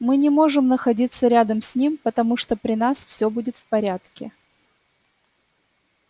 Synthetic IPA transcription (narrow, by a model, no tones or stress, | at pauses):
mɨnʲɪmo̞ʐɨmnəxɐdʲit̪səɾʲad̪əmsʲnʲimpət̪ɐmuʂt̪opɾʲɪnasfsʲɵbudʲɪt̪fpɐɾʲat̪kʲɪ